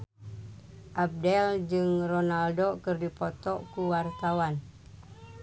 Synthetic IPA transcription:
ʔab̚dɛld͡ʒɨŋronaldokɨrdipɔt̪ɔkuwart̪awan

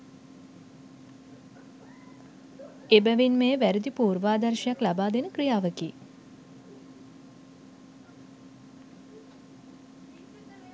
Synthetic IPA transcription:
ebəʋinmeːʋæɾid̪ipuːrʋaːd̪ɐrʃɐjaklabaːd̪enəkrijaːʋəkḭː

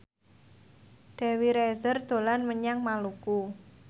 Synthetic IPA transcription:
ɖ̪̥ɛ̤wiɾɛzərd̪̥o̤lanməɲaŋmaluku

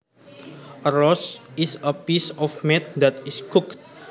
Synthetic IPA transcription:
əɾɔsisəpisɔfmɛt̪̚d̪at̪iskukt̚

